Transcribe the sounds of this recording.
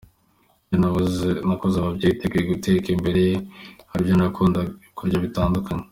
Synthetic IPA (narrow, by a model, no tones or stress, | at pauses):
janaβozenakozeaβabɟejitekejeɡutekembe̞ɾe̞jehaɾivjonaakʰuːndakuɾɟaβitaːndukʰaɲe